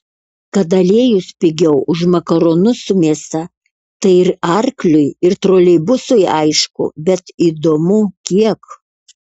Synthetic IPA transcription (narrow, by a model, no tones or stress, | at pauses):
kɐt̪ɐlʲeɛjʊspʲɪɡʲɛʊʔʊʃmɐkɐɾoːnʊsʊmʲeɛsɐ | t̪ɐɪɪɾɐɾklʲʊɪɪɾt̪ɾoːlʲɛɪbʊsʊjɐɪʃkʊ̰bʲɛt̪iːd̪oːmʊkʲiɛk